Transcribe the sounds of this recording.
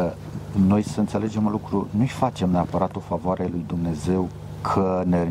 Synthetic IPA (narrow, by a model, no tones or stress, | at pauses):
no̞jsəɨnt̪se̞le̞d͡ʒe̞mulukɾunujfat͡ʃe̞mneapəɾat̪o̞favoaɾe̞lujd̪umne̞ze̞w | kʰəne